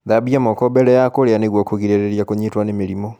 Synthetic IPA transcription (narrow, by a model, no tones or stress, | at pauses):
ðabjamokobelejakoleaneɣwokuɣiɾeɾeɾjakuɲitwanemiɾimo